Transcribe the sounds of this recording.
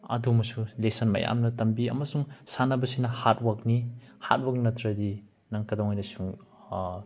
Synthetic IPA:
ɐ̰dumɐsulesɐnmɐ̰ja̰mnɐtɐmbiɐ̰mɐsuŋsanɐbɐsinɐhat̚wak̚ni | ha̰t̚wak̚nɐtɾɐdi | nɐŋkɐdowŋojnɐsuŋ

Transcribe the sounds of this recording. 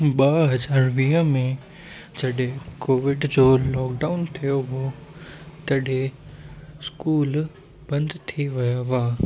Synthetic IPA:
ɓaːɦɐzaːɾʋĩːəmẽ | d͡ʑɐɗɦẽkoːʋɪɖd͡ʑoːlɔːkɖaːʊnt̪ʰijoɦo | t̪ɐɗẽ | skuːl | b̥ɐ̃nd̪t̪ʰiʋɐjaʋaː

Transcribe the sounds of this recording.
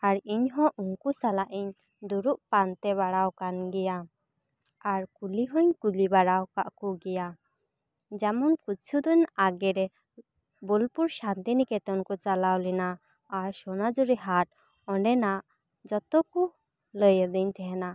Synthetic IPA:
aɾiɲɦɔ̃ʔuŋkusalaʔiɲ | d̪uɾuʔpant̪ɛβaɽawkanɡɛja | aɾkuliɦɔ̃ɲkulibaɽawkaʔkuɡɛja | d͡ʒamɔnkut̪̚t͡ʃʰud̪ɔɲaɡɛɾɛ | bulpuɾʃant̪inikɛt̪ɔnkɔt͡ʃalawlɛnaː | ɾʃɔnad͡ʒuɾiɦaʈ̚ | ɔɳɖɛnaʔ | d͡ʒɔt̪ɔku | ləjəɾd̪əɲt̪ʰɛɦɛna

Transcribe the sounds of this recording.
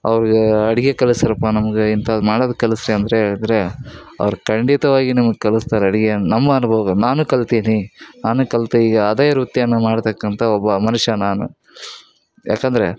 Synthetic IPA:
ɐ̰ʋɐɾuɡeɐɽiɡekɐlisɐɾɐpːanɐmɐɡeint̪ʰɐd̪maːɽoːd̪ɐkːɐlisɾiɐnd̪ɐɾeɦeːɭɐd̪ɾe̞ | ɐ̰ʋɐɾukɐɳɖit̪ɐʋaːɡinɐmɐɡekɐlust̪aːɾeɐɽiɡenɐmɡɐɐnuboːɡɐnaːnukɐlt̪iːninaːnukɐlt̪ɐiːɡɐːd̪eːɾut̪jɐnːɐmaːɽt̪ɐkːɐnt̪ʰɐɔbːɐmɐnuʂɐnaːnṵ | jʔa̰ːkɐnd̪ɐɾe̞

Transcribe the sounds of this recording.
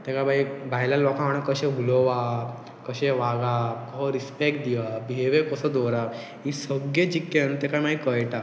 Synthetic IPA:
t̪ekabʱaibʱajlalɔkãaɽ̃ãkəɕẽɦulɔʋa | kəɕeʋaɡakəɦɾispekʈ̚d̪iʋabʱieʋekəsəd̪ɔɾa | isəɡjed͡ʑikːenut̪ekajmaikəjʈa

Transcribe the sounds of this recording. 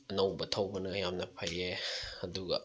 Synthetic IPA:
ɐnɐwbɐtʰɐwbɐnɐjamnɐpʰajeɐduɡɐ̰

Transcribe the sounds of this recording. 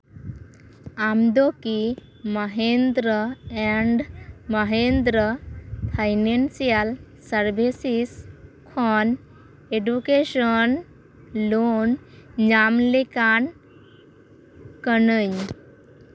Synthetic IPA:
amd̪oki | məɦend̪ɾəɛɳɖməɦend̪ɾəpʰajnensijal | səɾbʱisiskʰɔn | eɖukeɕən | lonɲamlekan | kənəɲ

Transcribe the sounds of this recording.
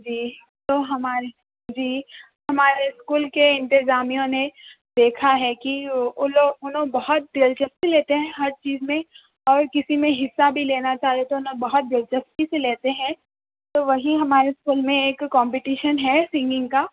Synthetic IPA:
d͡ʒiː | t̪oːɦɐmaːɾe | d͡ʒiː | ɦɐmaːɾeskuːlkeɪ̃nt̪ɪzaːmijõne | d̪eːkʰaɦɛkiʊoʊnɦõbɐɦʊt̪̚d̪eːlt͡ʃɐst̪ileːt̪eɦɛ̃ɦɐɾt͡ʃiːzmẽ | ɔːɾkɪsimẽɦɪsːabʱileːnat͡ʃaːɦiet̪oʊnɦõbɐɦʊt̪̚d̪eːlt͡ʃɐst̪iseleːt̪eɦɛ̃ | t̪oːʋɐɦiɦɐmaːɾeskuːlmẽeːkːɔ̃ːmpɪʈiːʃənɦɛsɪ̃ŋɡɪ̃ŋɡkaː

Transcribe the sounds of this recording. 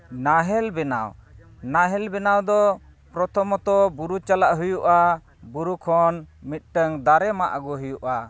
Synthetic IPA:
naɦɛlbɛna̰wnaɦɛlbɛnawd̪ɔ | pɾɔt̪ʰɔmɔt̪ɔbuɾut͡ʃalaʔɦujuʔa | buɾukʰɔnmit̪̚ˀʈəŋd̪aɾɛmaʔaɡɔɦujuʔa

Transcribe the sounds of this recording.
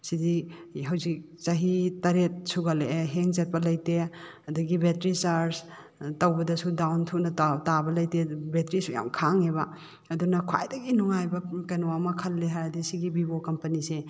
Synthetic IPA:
sidiɦɐwzik̚ | t͡ʃɐɦitːɐɾet̚suɡɐleɦeŋzet̚pɐlɐjte | ɐduɡibetɾisaɾs | tɐwbɐdɐsudawntʰunɐtatabɐlɐjtebetɾisuja̰mkʰaŋebɐ | ɐdunɐkʰwa̰jdɐɡinuŋajbɐkɐnoamɐkʰɐlːeɦajɐdisiɡibibokɐmpɐnise

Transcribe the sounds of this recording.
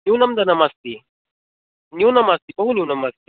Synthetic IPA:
njunɐmd̪ɐnɐmɐst̪i | njunɐmɐst̪ipɐɦunjunɐmɐst̪i

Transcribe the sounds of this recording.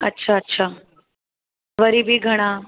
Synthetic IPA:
ətːɕʰaətːɕʰa | ʋəɾibʱiːɡʱəɽ̃ã

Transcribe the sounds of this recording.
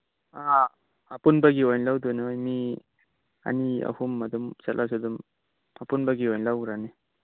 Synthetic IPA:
a | apunbaɡiojnlawd̪unaojmi | a̰nia̰humːɐd̪umsalʔawsud̪um | apunbaɡiojnlawɡɾane

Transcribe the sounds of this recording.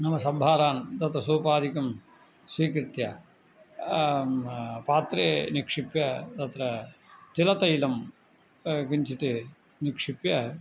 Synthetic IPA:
nɐmɐsɐbʱaːɾaːnt̪ɐt̪ɾɐsuːpaːd̪ʱikɐm | sʋiːkɾɪt̪jɐ | paːt̪ɾeːnikʂipjɐt̪ɐt̪ɾɐt̪ilɐt̪ɐjlɐm | kiɲt͡ʃit̪e | nikʂipjɐ

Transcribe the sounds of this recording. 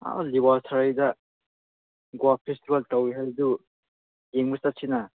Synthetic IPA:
a̰liwasʰaɾajdɐ | ɡwapʰestibɐltawiɦajdu | jeŋbusat̚sʰinɐ

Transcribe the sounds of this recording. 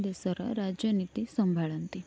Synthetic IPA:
d̪esəɾə̰ɾad͡ʒjənit̪isəmbʱaɭənt̪i

